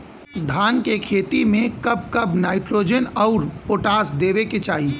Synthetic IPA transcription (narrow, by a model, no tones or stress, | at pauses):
d̪ʱaːnkekʰeːt̪imẽkɐb̚kɐbnaːɪʈɾoːd͡ʒənɔʊɾpoːʈaːsd̪eːʋeket͡ʃaːɦi